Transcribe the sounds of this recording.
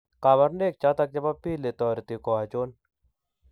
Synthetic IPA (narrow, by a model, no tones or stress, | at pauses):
kaːbɐɾneːk̚t͡ʃat̪ɐk̚d͡ʒɐbapiːlet̪ɔːɾit̪ikoat͡ʃoːn